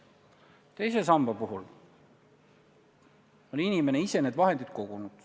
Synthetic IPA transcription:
t̪e̞jsesɑmbɑpuɦul | oninimeneise̞neːd̪vɑɦend̪id̪̥ko̞ɡ̥unud̪̥

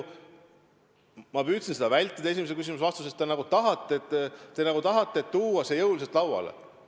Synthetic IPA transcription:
mɑpyːt̪sinse̞d̪ɑvælʲt̪ːˑid̪̥ɑe̞s̬ʲimesekys̬imusɑst̪usest̪enɑɡut̪ɑɦɑt̪ˑːeet̪ˑːe̞nɑɡ̥ut̪ɑɦɑt̪ːˑe̞ːt̪ːuːwɑsejɤwliset̪lɑwwɑ̰lḛ

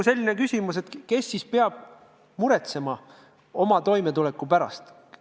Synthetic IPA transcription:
se̞lʲːine̞kysʲimuse̞t̪ke̞sːispeɑb̥̚ | muɾe̞t̪se̞mɑ | o̞mɑt̪o̞jmet̪ule̞kːˑupæɾɑ̰st̪

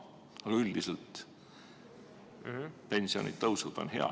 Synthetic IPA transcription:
ɑɡ̥ɑyld̪̥iselt̪ | pe̞nʲsio̞̰nid̪̚t̪ːɤwsult̪o̞nɦe̞̰ɑ̰

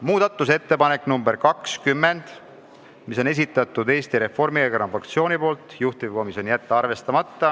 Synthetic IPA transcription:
muːd̪̥ɑt̪ˑːuse̞t̪ːe̞pɑne̞kːnumbe̞ɾkɑkskymːe̞nd̪̥ | miso̞ne̞s̬it̪ˑːɑt̪ːˑud̪e̞ːst̪iɾe̞fo̞rmiekɑɾɑmfɑkt̪sio̞ːnʲipo̞ːlt̪ˑjuht̪ivkomiso̞njæt̪ːɑɑrve̞st̪ɑmɑt̪ːɑ

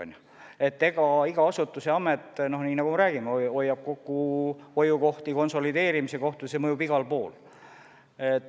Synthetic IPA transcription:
nʲ | e̞t̪ːe̞ɡ̥ɑiɡ̥ɑɑsut̪ːˑuse̞ɑmet̪ːˑno̞hniːnɑɡumeɾæːɡ̥imeo̞jːɑb̥̚ko̞kːuo̞juko̞ht̪iko̞nso̞lid̪e̞ːɾimise̞ko̞ht̪ujsemɤjubiɡ̥ɑlpo̞ːl | et̪ː

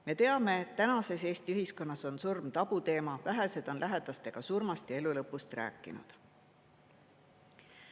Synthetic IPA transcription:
me̞t̪e̞ɑme̞ːt̪ːænɑse̞seːst̪iyɦisko̞nːɑso̞nsurmt̪ɑb̥ut̪e̞ːmɑvæɦese̞d̪̥o̞nlæɦed̪̥ɑst̪e̞ɡ̥ɑsurmɑst̪jɑe̞lulɤpːust̪ræ̰ːkːˑḭnṵd̪̥

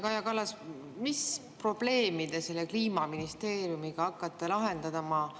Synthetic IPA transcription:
kɑjɑkɑlːɑs | mispro̞b̥le̞ːmid̪ese̞lːekliːmɑminist̪e̞ːɾjumiɡ̥ɑɑkːˑɑt̪ːˑelɑɦe̞nd̪ɑd̪ɑmɑ

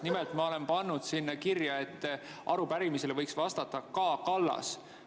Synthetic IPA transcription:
nimɛlt̪mɑo̞le̞npɑnːud̪̥sinːɑkirjɑe̞t̪ːʔɑɾupæɾimiselevɤjksvɑst̪ɑt̪ːˑɑkɑːkɑlːɑ̰s

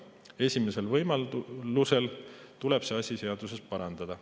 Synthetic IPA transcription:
e̞sʲime̞se̞lvɤjmɑlluse̞lt̪ule̞b̥se̞ɑsʲise̞ɑd̪use̞spɑɾɑnd̪̥ɑd̪̥ɑ

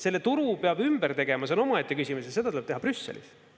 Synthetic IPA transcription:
se̞lːe̞t̪uɾupeɑbymb̥ert̪e̞ɡ̥e̞mɑseo̞no̞mɑet̪ʲːˑekysʲimusjɑse̞̥ɑt̪uleb̥̚t̪eɦɑbrysːḛlḭs

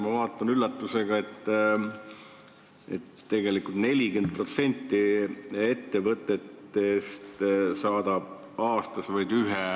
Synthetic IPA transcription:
mɑvɑːt̪ˑːɑnylːɑt̪ːuse̞ɡɑe̞t̪ː | ḛt̪ːe̞ɡe̞likult̪ne̞lʲiɡend̪̥̚pro̞t̪se̞nʲt̪ːie̞t̪ːe̞vɤt̪ːˑe̞t̪ːe̞st̪sɑːd̪̥ɑb̥̚ | ɑːst̪ɑsvɑjd̪yɦe

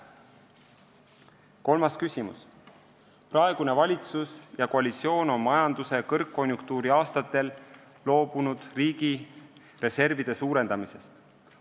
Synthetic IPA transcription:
ko̞lmɑskysʲimṵs | prɑe̞ɡ̥une̞vɑlʲit̪susjɑko̞ɑlʲit̪sio̞ːno̞nmɑjɑnd̪use̞kɤrkːo̞nʲjuŋkt̪uːɾiɑːst̪ɑt̪ːˑe̞lː | o̞ːb̥unud̪̥riːɡ̥i | re̞se̞rvid̪̥e̞suːɾe̞nd̪ɑmise̞st̪

